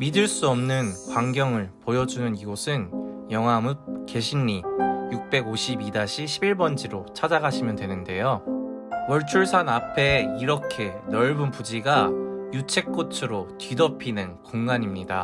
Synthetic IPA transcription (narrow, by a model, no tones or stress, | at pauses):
midɯɭs͈uʌmnɯnkwaŋɡjʌŋɯɭpojʌd͡ʑunɯniɡosʰɯnjʌŋɦamɯp̚ke̞ɕʰinːijuk̚p͈e̞ɡoɕʰibidaɕʰiɕʰibiɭbʌnd͡ʑiɾot͡ɕʰad͡ʑaɡaɕʰimjʌndwe̞nɯnde̞jo | wʌɭt͡ɕʰuɭsʰanapʰe̞iɾʌkʰe̞nʌɭbunpud͡ʑiɡajut͡ɕʰe̞k̚k͈ot͡ɕʰɯɾotɥidʌpʰinɯnkoŋɡaɲimɲida